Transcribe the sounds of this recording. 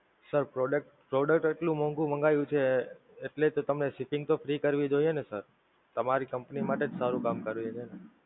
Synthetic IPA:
səɾpɾoɖək̚ʈpɾoɖək̚ʈeʈlũmɔ̃ŋɡũməŋɡajũt͡ʃʰeː | ʈlet̪ot̪əmneʃipɪ̃ŋɡt̪ofɾikəɾʋid͡ʒojenesəɾ | t̪əmaɾikəmpnimaʈed͡ʒsaɾũkamkəɾʋd͡ʒene

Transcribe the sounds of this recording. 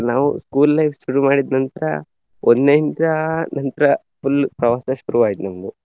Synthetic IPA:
naːʋṵskuːlːɐjʋsuɽumaːɽid̪nɐnt̪ɾɐ̰ | ʔonneint̪ɾɐnɐnt̪ɾɐ | fulpɾɐʋaːsɐʃuɾuʋaːɡit̪nɐmd̪u

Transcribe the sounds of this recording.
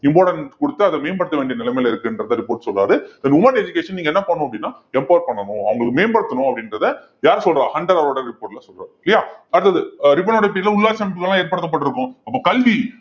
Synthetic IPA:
ɪmboːɽɐnkɔɽɯt̪ːɯɐðɐmeːnbɐɽɯt̪ːɐʋeːɳɖijɐnɪlɛmeːlɐɪɾɯkːɯɛndɾɐðãɾɪpoːɾʈsɔlraːðɯɛnːʊmɐʈɛd͡ʒʊkeːʂɐniːŋɡɐɛnːɐpɐɳːʊ̃ɐpːɐɽɪnːaː | ɛmpɐːjɐɾpɐɳːɐnʊ̃ɐ̰ʋɐŋɡɐɭɯkːɯmeːnbɐɽɯt̪ːɐnʊ̃ɐpːɐɽɪndɾɐðɯ | jaːɾsɔlrɾãːhɐɳɖɐɾɐʋɐɾoːɽɐɾɪpːoːʈɪlasɔlɾa̰ːðɪlːɐjaːɐɽɯt̪ːɐðɯɾɪp̬ːoːnoːɽɐɐpeːɾɪlɐʊɭːaːt͡ʃɐmɪpːɯɣɐɭlːãːeːɾpɐɽɯt̪ːɐpːɐʈːɪɾɯkːʊ̃ɐpːoːkɐlʋi

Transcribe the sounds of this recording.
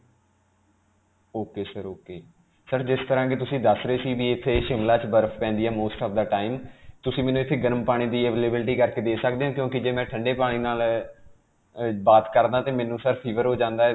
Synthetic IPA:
oːkeːsəɾoːkeː | səɾd͡ʒɪst̪əɾãːk̬et̪ʊsĩːd̪əsɾeːsiːbiːɪt̪ʰːeːʃɪmlaːt͡ʃbəɾfʰpɛ̃ːnd̪iːaːmoːsʈɔːʋd̪əʈaːiːmt̪ʊsĩːmɛːnũːɪt̪ʰːeːɡəɾəmpaːɽ̃iːd̪iːəʋeːleːbɪlʈiːkəɾkeːd̪eːsəkd̪eːɦãːkjõːkɪd͡ʒeːmɛ̃ːʈʰəɳɖeːpaːɽ̃iːnaːl | baːt̪kəɾd̪aːt̪eːmɛ̃ːnũːsəɾpʰiːʋəɾɦoːd͡ʒãːnd̪aː

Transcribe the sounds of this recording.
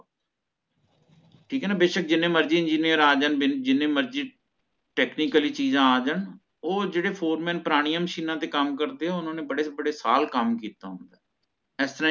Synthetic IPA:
ʈʰiːkɦɛːnaːbeːʃək̚d͡ʒɪnẽːməɾd͡ʒiːɪ̃nd͡ʒiːnijəɾaːd͡ʒənbɪd͡ʒɪnẽːməɾd͡ʒiː | ʈɛːkniːkəliːt͡ʃiːzãːaːd͡ʒən | oːd͡ʒeːɽeːpʰoːɾmɛ̃ːnpəɾaːɽ̃ijaːməʃiːnãːt̪eːkəmkəɾd̪eːɦɛːʊnãːneːbəɽeːbəɽeːsa̰ːlkəmkiːt̪a̰ːɦʊnd̪aː | ɛːst̪əɾãː

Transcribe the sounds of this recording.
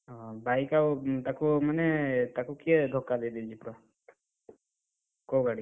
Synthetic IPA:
ɔbʱaikawt̪akomənɛt̪akukied̪ʱɔkːad̪ed̪ild͡ʒipɾa | koɡaɽi

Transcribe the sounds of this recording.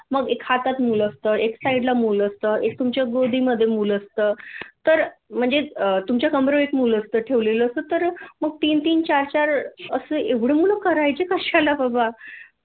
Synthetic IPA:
məɡekhat̪at̪muːləst̪əːeksaiɖlamuːləst̪əːek̚t̪umt͡ɕjaɡod̪ʱiːməd̪ʱːjemuːləst̪əːt̪əɾm̤əɳd͡zeət̪umt͡ɕjakəmɾoekmuːləst̪əːʈʰeʋleləːst̪ət̪əɾməɡ̚t̪iːnt̪iːnt͡ɕaɾt͡ɕaɾəsəːeʋɽ̤emuləkəɾajt͡sekəɕalabəba

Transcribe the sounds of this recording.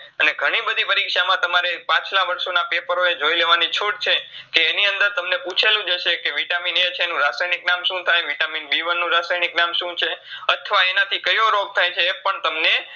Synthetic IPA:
əneɡʱəɽ̃ibəd̪ʱipəɾikʃamãt̪əmaɾepãt͡ʃlaʋəɾʃonapepəɾoed͡ʒoileʋanit͡ʃʰoʈt͡ʃʰekeːniənd̪əɾt̪əmneput͡ʃʰelũd͡ʒəʃekeʋiʈaminet͡ʃʰeːnũɾasajniknamʃũt̪ʰajʋiʈaminbiʋənːũɾasajniknamʃũt͡ʃʰeət̪ʰʋaenat̪ʰikəjʋoɾoɡ̚t̪ʰajt͡ʃʰeːpəɳt̪əmne

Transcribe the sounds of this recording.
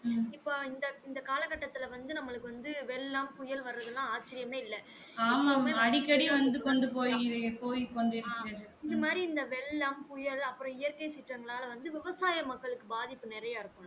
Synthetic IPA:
ɪpːoːɪnd̪ɐɪnd̪ɐkaːlɐkːɐʈːɐt̪ːɪlɐʋɐnd̪ɯnɐmːɐɭɯkːɯʋɐnd̪ɯʋɛɭːɐmkʊjɐlʋɐɾɯɾɐðɯlːãːaːt͡ʃːɪɾɪjɐmneːɪlːɛ | aːmaːeɐɽɪkːɐɽiʋɐnd̪ɯkɔɳɖɯpoːjɾɐpoːjkɔɳɖɪɾɯkːɾɐðɯɪnðɐmaːd̪ɾiɪnd̪ɐʋɛlːɐmpʊjɐlɐpːɯɾɔ̃ɪjɐɾkɐɪsɪʈrɐŋɡɐɭaːlɐʋɐnd̪ɯʋɪʋɐsaːjɐmɐkːɐɭɯkːɯbaːðɪpːɯnɛɾɐjaːɪɾɯkːʊ̃

